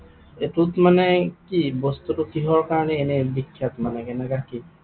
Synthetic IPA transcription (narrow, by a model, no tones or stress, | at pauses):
etut̪manɛkibɔst̪utukiɦɔɹkaɹnienebikʰːjat̪manɛkɛnɛkaki